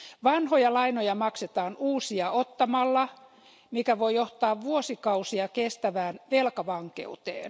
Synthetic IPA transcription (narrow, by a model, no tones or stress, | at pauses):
ʋɑnhojɑlɑinojɑmɑkset̪ɑːnuːsiɑot̪ːɑmɑlːɑ | mikæʋoioht̪ɑːʋʋuosikɑusiɑkest̪æʋæːnʋelkɑʋɑŋkḛut̪ḛːn